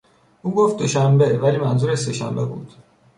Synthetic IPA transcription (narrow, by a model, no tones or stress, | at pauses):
uːɡoft̪̚d̪oʃæmbe̞væliːmænzuːɾese̞ʃæ̰mbe̞bṵːd̪̥